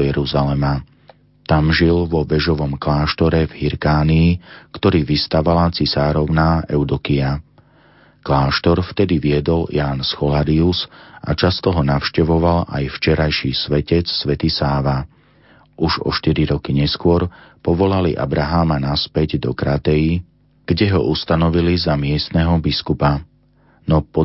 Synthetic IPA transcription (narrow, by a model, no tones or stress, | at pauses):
jɛɾuzalɛma | t̪amʒilʋɔʋɛʒɔʋɔmklaːʃt̪ɔɾɛvɦiɾkaːniːkt̪ɔɾiːʋist̪aʋalat͡sisaːɾɔʊnaːɛʊd̪ɔkia | klaːʃt̪ɔɾft̪ɛd̪iʋiɛd̪ɔljaːnsxɔlaɾiusʔa̰t͡ʃast̪ɔɦɔnafʃcɛʋɔʋala̰jft͡ʃɛɾajʃiːsʋɛcɛt͡ssʋɛt̪isaːʋa | ʔuʒɔ̰ʃt̪iɾiɾɔkiɲɛskʊɔɾpɔʋɔlalḭʔa̰bɾaɦamanaspɛɟd̪ɔkɾat̪ɛji | ɡ̥ɟɛɦɔʔust̪anɔʋilizamɪɛst̪nɛɦɔbiskupa | nɔpɔ